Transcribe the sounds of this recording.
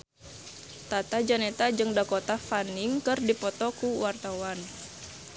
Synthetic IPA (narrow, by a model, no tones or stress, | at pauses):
t̪at̪ad͡ʒanɛt̪ad͡ʒɨŋdakot̪afaniŋkɨrdipɔt̪ɔkuwart̪awan